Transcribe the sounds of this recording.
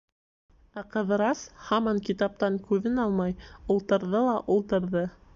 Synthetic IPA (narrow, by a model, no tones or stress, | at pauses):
æqɤ̆ðɤ̆ɾɑshɑmɑŋkit̪ɑp̚t̪ɑŋkʉðɘnɑlˠmɑjulˠt̪ɤ̆ɾðɤlˠɑʔulˠt̪ɤ̆ɾðɤ